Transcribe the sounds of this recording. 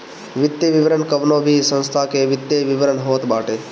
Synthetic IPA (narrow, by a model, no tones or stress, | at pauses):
ʋɪt̪ːjeʋɪʋəɾəɳkəʋnõbʱisə̃nst̪ʰakeʋɪt̪ːjeʋɪʋəɾənɦoːt̪baːʈeː